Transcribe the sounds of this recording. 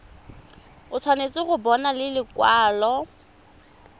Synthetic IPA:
ʊt͡sʰwanet͡sʼɪɣʊbɔnalɪlɪkwaːlɔ

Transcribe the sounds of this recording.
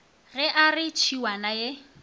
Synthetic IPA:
ɣɛʔarɪt͡ʃʰiwanaje

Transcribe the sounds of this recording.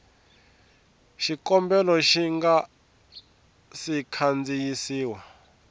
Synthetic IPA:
ʃikɔmbɛlɔʃiŋɡa | sikʰand͡zijisiːwa

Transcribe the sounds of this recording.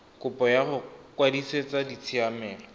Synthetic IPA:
kʊpʼɔjaχʊkwadiset͡sʼadit͡sʰiamɛːlɔ

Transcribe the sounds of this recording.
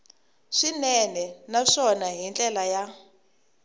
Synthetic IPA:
ʂinɛnɛnaʂɔnaɦint͡ɬʼɛlaja

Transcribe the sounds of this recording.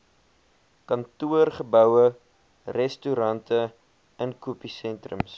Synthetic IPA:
kɐntuərχəbœwə | rɛstuɾɐntʰə | ənkupisɛntrəms

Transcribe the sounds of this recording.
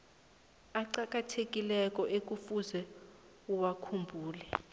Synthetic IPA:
aǃak̬ʼatʰek̬ʼilɛk̬ʼɔʔek̬ʼufuzɛ | uwakʰumbʱuːlɛ

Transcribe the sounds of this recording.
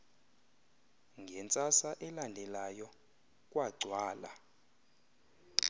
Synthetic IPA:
ŋɡʱɛnt͡sʼasaʔɛlandʱɛlajɔ | kʼwaɡ͡ǀʱwaːla̰

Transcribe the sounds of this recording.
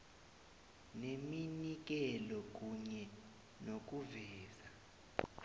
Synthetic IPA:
neminik̬ɛlɔk̬ʼuɲɛ | nok̬ʼuvɛːza

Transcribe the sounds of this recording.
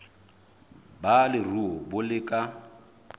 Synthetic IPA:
balɪruɔbʊlɪkʼa

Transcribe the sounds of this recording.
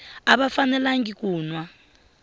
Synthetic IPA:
aβafanɛlaŋɡikuːnwa

